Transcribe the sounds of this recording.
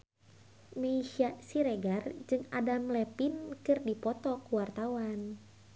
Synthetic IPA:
meiʃasiɾeɡard͡ʒɨŋa̰damlɛpinkɨrdipɔt̪ɔkuwart̪awan

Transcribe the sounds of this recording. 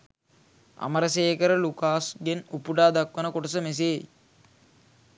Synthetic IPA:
a̰məɾəseːkəɾəlukaːsɡenupuɖaːd̪akʋənəkoʈəs̬əmes̬eː

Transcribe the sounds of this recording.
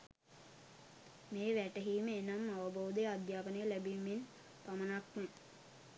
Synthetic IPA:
meːʋæʈəɦiːməenamːaʋəbowd̪ejəad̪jaːpənəjəlæbimːin | pamənakmə

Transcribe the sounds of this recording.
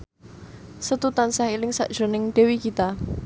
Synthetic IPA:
sət̪ut̪ansaɦilɪŋsa̰ʔd̥ʒ̥ɾo̤nɪŋɖ̪̥e̤wikit̪a

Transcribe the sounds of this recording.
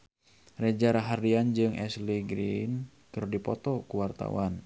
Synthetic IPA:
rɛd͡ʒaɾaɦardiand͡ʒɨŋɛsliɡɾin | kɨrdipɔt̪ɔkuwart̪a̰wan

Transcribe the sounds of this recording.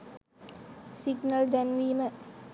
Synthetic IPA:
siɡnɐld̪ænʋiːmə

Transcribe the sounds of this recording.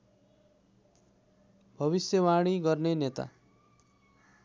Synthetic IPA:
bʱʌβisjʌwaɽ̃iɡʌrnenet̪a̰

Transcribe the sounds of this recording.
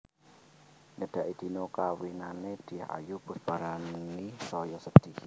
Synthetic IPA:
ŋəɖ̥a̤ʔid̪̥i̤nokawinaned̪̥i̤ha̰jub̥ʊsb̥aɾanisɔjɔsəd̥ik

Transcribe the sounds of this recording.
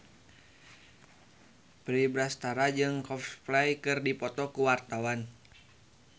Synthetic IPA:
pɾibɾast̪aɾad͡ʒɨŋkɔfplajkɨrdipɔt̪ɔkuwart̪awan

